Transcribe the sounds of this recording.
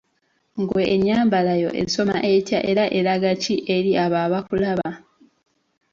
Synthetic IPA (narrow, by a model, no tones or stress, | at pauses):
ŋɡwe̞ʔːɲːaːmbalajo̞̰ʔḛiso̞ma̰ʔetjaʔe̞ɾaʔe̞ɾaɡaciʔe̞ɾiaβaːβakulaβa